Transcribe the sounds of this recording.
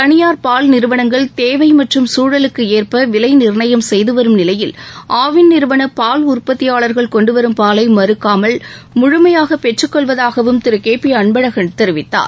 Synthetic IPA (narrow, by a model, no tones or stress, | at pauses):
t̪ɐnɪjaːɾpaːlnɪɾɯʋɐnɐŋɡɐɭt̪eːʋɐɪmɐʈrɯmsuːɻɐlɯkːɯeːrpɐʋɪlɐɪnɪɾɳɐjɐmsɛjðɯʋɐɾɯmnɪlɐjɪlʔaːʋɪnːɪɾɯʋɐnɐpaːlʊrpɐt̪ːɪjaːɭɐɾɣɐɭkɔɳɖɯʋɐɾɯmpaːlɐɪmɐɾɯkːaːmɐɭ | mʊɻʊmɐjaːɣɐpɛʈrɯkːɔɭʋɐðaːɣɐʋɯmt̪ɪɾɯkeːpːiɐɳbɐɻɐɣɐnt̪ɛɾɯʋɪt̪ːa̰ːɾ